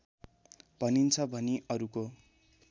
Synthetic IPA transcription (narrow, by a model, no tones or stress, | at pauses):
b̥ʱʌnint͡sʰʌbʱʌniʔʌɾuko